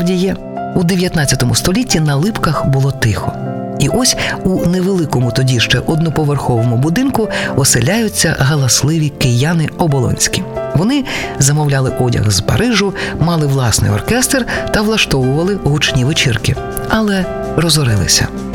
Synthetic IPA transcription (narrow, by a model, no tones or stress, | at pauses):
dʲijɛ | ud̪eʋʲjɐt̪nɑtt͡sʲːɐt̪ɔmʊ̰st̪ɔlʲitʲːinɐlˠɪpkɐxbʊlˠɔt̪ɪxɔ | iʔɔsʲuneʋelˠɪkɔmʊt̪ɔdʲiʃt͡ʃɛ̰ʔɔd̪̚nɔpɔʋerxɔʋɔmʊbʊd̪ɪnkʊɔsɪlʲajʊt͡sʲːɐɦɐlˠɐslˠɪʋʲikɪjanɪɔbɔlˠɔ̰nʲsʲkʲiʋɔnɪzɐmɔwlʲalˠɪʔɔdʲɐ̰ɣzpɐ̰ɾɪʒʊmɑlˠɪʋlˠɑsnɪ̰jɔ̰rkɛst̪rt̪ɐʋlˠɐʃt̪ɔʋʊʋɐlˠɪɦut͡ʃnʲiʋet͡ʃɪrkɪ | ɐlˠɛ | rɔzɔɾɪ̰lˠɪ̰sʲɐ̰